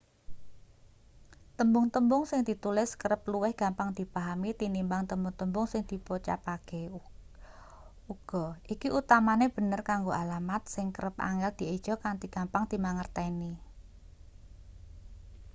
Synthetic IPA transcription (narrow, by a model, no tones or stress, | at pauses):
t̪əmbʊŋt̪əmbʊŋsɪŋd̪̥i̤t̪ulɪskəɾəp̚luwɪhɡ̥a̤mpaŋd̪̥i̤paɦamit̪inimbaŋt̪əmbʊŋt̪əmbʊŋsɪŋd̪̥i̤pot͡ʃa̰paɡ̥e | uɡ̥ɔʔikiʔut̪amaneb̥ə̤nərkaŋɡoʔalamat̪̚sɪŋkəɾəpa̰ŋɛld̪̥i̤ed̥ʒ̥ɔ̤kant̪iɡ̥a̤mpaŋd̪̥i̤maŋərt̪ɛni